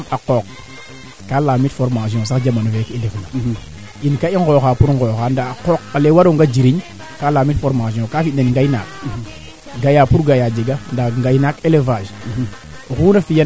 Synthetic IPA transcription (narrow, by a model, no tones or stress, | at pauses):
akok | kalamitfoɾmas̬iõs̬akd͡ʒamanovekidefna | inkaiŋɡoxapuɾŋɡoxandaakokːalewaɾoŋɡad͡ʒiɾiɲ | kalamitfoɾmas̬õkafinenŋɡajna̰k | ɡajapuɾɡajad͡ʒeɡandaŋɡajnakelevaʒ | ɣuːnafija